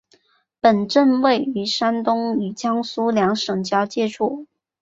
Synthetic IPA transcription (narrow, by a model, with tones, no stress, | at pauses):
pə˨˩nʈ͡ʂə˥˧nwe˥˩ɪy˧˥ʂa˥nt̪ʊ˥ŋy˨˩t͡ɕjɑ˥ŋsu˥ljɑ˧˥ŋʂɤ˨˩ŋt͡ɕjɑ˥ʊt͡ɕjɛ˥ʈ͡ʂʰu˥˩